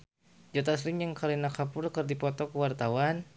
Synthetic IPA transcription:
d͡ʒɔt̪asɾɪŋjaŋkʰalinakapʊrkɨrdipɔt̪ɔkəwart̪awan

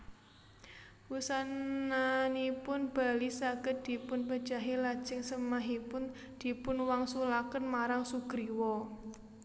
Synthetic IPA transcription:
wusananipʊnb̥a̤lisaɡ̥ət̪̚d̪̥i̤pʊnpəd̥d͡ʒ̥aɦilad̥ʒ̥ɪŋsəmaɦipʊn | d̪̥i̤pʊnwaŋsulakənmaɾaŋsuɡ̥ɾiwɔ

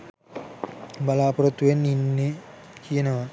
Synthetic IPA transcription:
bɐlaːpuɾɐt̪ːujenːinːekʰijənəʋa

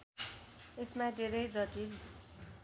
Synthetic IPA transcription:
esmad̪ʱeɾʌjd͡zʌʈi

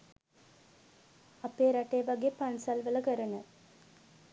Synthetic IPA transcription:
apeːɾaʈeʋaɡeːpansalʋələkəɾənət̪̚

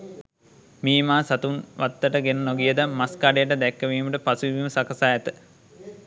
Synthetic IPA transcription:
miːmaːsat̪unʋʔat̪ːəʈəɡenənoɡijəd̪əmaskaːɖejəʈəd̪ɛkːəʋiːməʈəpasuʋiʋiːməsakɐsaːɛt̪ə

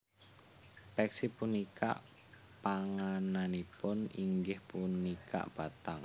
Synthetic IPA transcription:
pɛksipunikʰa̰ʔ | paŋananipʊniŋɡɪhpunikʰa̰ʔb̥a̤t̪aŋ

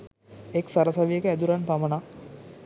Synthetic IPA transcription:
eksaɾəsaʋijekəæd̪uɾanpaməna

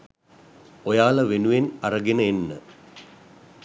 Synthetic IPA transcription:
ojaːləʋenuʋenaɾəɡenəenːə

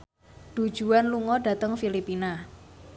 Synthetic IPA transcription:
d̪̥u̥ʒ̥uanluŋɔɖa̤t̪əŋfilipina

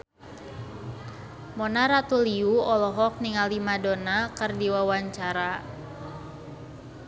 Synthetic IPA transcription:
mɔnaɾat̪uliuɔlɔɦɔk̚niŋalimadonakɨrdiwawaɲt͡ʃaɾa

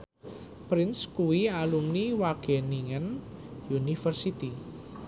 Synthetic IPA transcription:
pɾɪnskuwialumniwaɡ̥e̤niŋənjunifərsit̪i

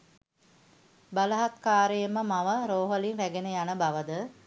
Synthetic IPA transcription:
baləɦat̪kaːɾəjəməmaʋəɾoːɦəlinɾæɡenəjanəbaʋəd̪ə

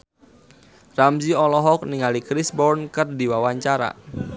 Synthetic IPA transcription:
ramziɔlɔɦɔk̚niŋalikɾisbɔrnkɨrdiwawaɲt͡ʃaɾa̰

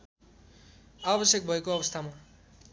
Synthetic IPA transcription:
abʌsjek̚bʱʌekoʌbʌst̪ʰama

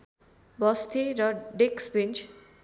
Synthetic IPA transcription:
bʌst̪ʰeɾʌɖeksbint͡ʃ

